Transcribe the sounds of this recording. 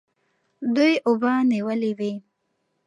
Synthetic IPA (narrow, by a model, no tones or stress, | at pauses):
d̪ujʔʊbɑniwəliwi